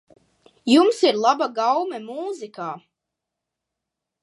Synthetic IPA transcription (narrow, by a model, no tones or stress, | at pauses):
jumsiɾlˠabaɡawmɛmuːzikaː